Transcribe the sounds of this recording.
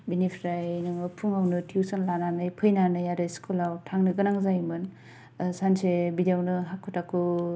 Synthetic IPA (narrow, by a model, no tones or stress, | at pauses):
binipʰɾajnɯŋɯpʰuŋawnɯtʰiwsanlananɯjpʰɯjnanɯjaɾɯjskʰulawtʰaŋnɯɡɯnaŋzajmɯn | sansebidjawnɯɦakʰːutakʰɯ